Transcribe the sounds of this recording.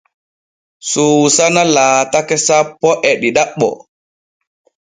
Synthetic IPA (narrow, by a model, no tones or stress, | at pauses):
susanalaːtakɛsapːɔʔɛɗiɗaɓɔ̰